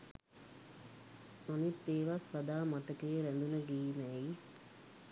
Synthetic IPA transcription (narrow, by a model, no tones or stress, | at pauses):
nanit̪ːeːʋasːad̪aːmat̪əkejɾænd̪unəɡiːmɛi